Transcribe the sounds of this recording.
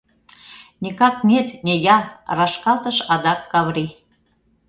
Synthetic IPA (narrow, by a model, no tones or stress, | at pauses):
nikɑk̚nʲet̪nʲejɑrɑʃkɑt̪ə̆ʃɑd̪ɑkːɑβɾi